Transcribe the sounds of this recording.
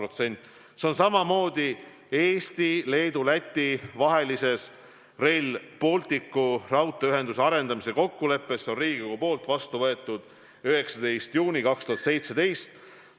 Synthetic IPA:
ot̪se̞nʲt̪ːˑ | seo̞nsɑmɑmo̞ːd̪̥i | eːst̪ile̞ːd̪̥ulæt̪ʲːˑivɑɦe̞lise̞s | re̞lpo̞lt̪ikːurɑwt̪ˑːeyɦe̞nd̪useɑɾe̞nd̪ɑmise̞ko̞kːule̞pːe̞so̞nriːɡikoɡupo̞ːlt̪ˑvɑst̪uvɤe̞t̪ːˑud̪̥ | yɦe̞ksɑd̪e̞jst̪juːnʲikɑkst̪uɦɑt̪se̞jt̪se̞d̪̥e̞jst̪

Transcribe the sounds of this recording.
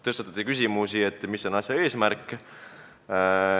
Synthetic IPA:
t̪ɤst̪ɑt̪ːˑɑ̥t̪ʲːikysʲimusie̞t̪ːˑmisːo̞nɑsjɑe̞ːsmæɾkːˑ

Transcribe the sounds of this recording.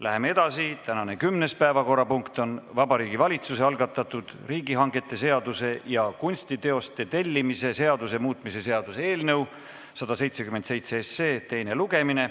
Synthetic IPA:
læɦe̞mee̞d̪̥ɑsit̪ænɑne̞kymne̞spæevɑko̞rːɑpuŋkt̪o̞nvɑbɑɾiːɡivɑlʲit̪suse̞ɑlɡɑt̪ːˑɑt̪ːˑud̪̥riːɡiɦɑŋɡe̞t̪ːˑe̞se̞ɑd̪̥use̞jɑkunʲst̪it̪e̞o̞st̪e̞t̪e̞lʲːimise̞se̞ɑd̪use̞muːt̪mise̞se̞ɑd̪̥useeːlnɤw | sɑd̪̥ɑse̞jt̪se̞kyment̪se̞jt̪seesːeːt̪e̞jne̞luɡ̥e̞mine̞

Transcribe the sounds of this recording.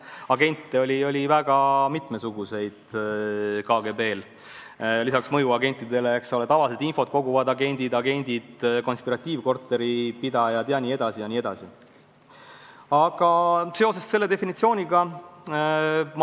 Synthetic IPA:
ɑɡe̞nʲt̪ːeo̞lʲio̞lʲivæɡ̥ɑmit̪mesuɡ̥use̞jd̪̥ | kɑːɡe̞be̞ːl | lisɑksmɤjuɑɡe̞nʲt̪ːˑid̪e̞leekso̞let̪ɑvɑliset̪info̞t̪̚ko̞ɡuvɑd̪ɑɡe̞nʲd̪̥id̪ɑɡe̞nʲd̪̥id̪̥ko̞nspiɾɑt̪ʲːˑiːvko̞rt̪ːˑe̞ɾipid̪ɑjɑt̪eɑnʲiːed̪̥ɑsijɑnʲiːe̞d̪̥ɑsi | ɑɡ̥ɑse̞o̞se̞sse̞lːe̞d̪efinit̪sio̞ːnʲiɡ̥ɑ | m

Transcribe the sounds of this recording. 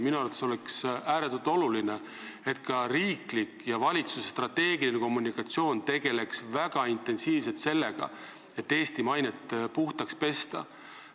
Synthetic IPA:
minuɑɾvɑt̪ːeso̞leksæːɾet̪ːˑult̪o̞luline | e̞t̪kɑriːklikjɑvɑlʲit̪suse̥st̪rɑt̪ːe̞ːɡilineko̞mːunikɑt̪sio̞ːnt̪e̞ɡ̥e̞le̞ksvæɡ̥ɑint̪ːˑe̞nsiːvse̞lt̪se̞lːe̞ɡ̥ɑ̰ | e̞t̪ːe̞ːst̪imɑjnet̪puht̪ɑkspe̞st̪ɑ̰

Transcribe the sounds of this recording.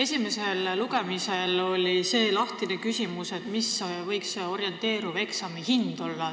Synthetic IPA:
e̞sʲime̞se̞lluɡ̥e̞mise̞lo̞lʲise̞ːlɑht̪inekysʲimuse̞t̪misvɤ̞jkso̞ɾje̞nt̪ˑe̞ːɾuve̞ksɑmihind̪̥o̞lːɑ

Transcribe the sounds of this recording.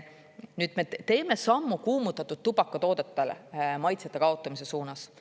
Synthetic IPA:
nyːd̪̥me̞t̪e̞ːme̞sɑmːukuːmut̪ːˑɑt̪ːˑud̪̥̚t̪ubɑkːɑt̪o̞ːd̪̥et̪ːˑelemɑjt̪seɑt̪ːˑe̞kɑot̪ːˑɑmise̞suːnɑs

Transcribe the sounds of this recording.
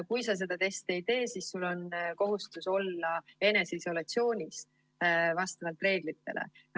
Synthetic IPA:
kujsɑs̬e̞d̪̥ɑt̪e̞st̪e̞jt̪e̞ːsisːulːo̞nko̞ɦust̪uso̞lːɑe̞ne̞seiso̞lɑt̪sio̞ːnʲis | vɑst̪ɑvɑlt̪re̞ːɡ̥lit̪ːe̞̰lḛ

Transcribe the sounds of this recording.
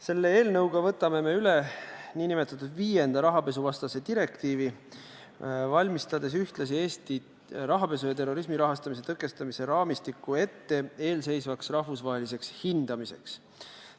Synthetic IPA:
se̞lːeeːlnɤwɡ̥ɑvɤ̞t̪ːˑɑme̞me̞yleniːnimet̪ːˑɑt̪ːud̪viːje̞nd̪̥ɑɾɑɦɑpe̞s̬uvɑst̪ɑse̞d̪̥iɾe̞kt̪iːvi | vɑlʲmist̪ɑd̪̥e̞s̬yht̪lɑs̬ie̞ːst̪i | ɾɑɦɑpe̞s̬ujɑt̪̬e̞rːo̞ɾismiɾɑɦɑst̪ɑmis̬e̞t̪ɤkːˑe̞st̪ɑmise̞ɾɑːmist̪ikːue̞t̪ːe̞e̞ːlse̞jsvɑksrɑhfusvɑɦelis̬e̞kshind̪̥ɑmise̞̰ks

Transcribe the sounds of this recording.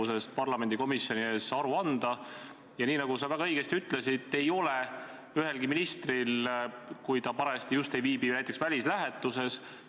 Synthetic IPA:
use̞st̪̚pɑrlɑme̞nd̪iko̞misjo̞nie̞ːsɑɾuɑnd̪̥ɑ | jɑniːnɑɡusɑvæɡ̥ɑɤjɡ̥e̞st̪iyt̪ːˑle̞sid̪̥e̞jo̞le | yɦe̞lɡiminist̪rilkujt̪ɑpɑɾɑst̪ijust̪e̞jviːb̥inæjt̪ːˑeksvælʲislæɦe̞t̪ːˑuse̞s

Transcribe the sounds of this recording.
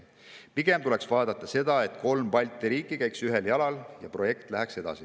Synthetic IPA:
piɡ̥e̞mt̪ule̞ksvɑːd̪̥ɑt̪ˑːɑse̞d̪̥ɑe̞t̪ko̞lmpɑlʲt̪ːˑiɾiːkˑːikæjksyɦeljɑlɑljɑ̰pro̞je̞kt̪ˑlæɦækse̞d̪̥ɑ̰si

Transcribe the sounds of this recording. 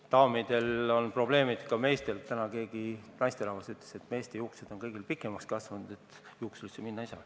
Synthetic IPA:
t̪ɑomid̪̥e̞lo̞npro̞b̥le̞ːmid̪̥kɑme̞ːst̪e̞lt̪ænɑke̞ːɡinɑjst̪elɑvɑsyt̪ːˑle̥se̞t̪me̞ːst̪ejuːksed̪̥o̞nkɤ̞jɡ̥ilpikːˑe̞mɑkskɑsvɑnud̪̥e̞t̪juːksulsːeminːɑisɑ̰

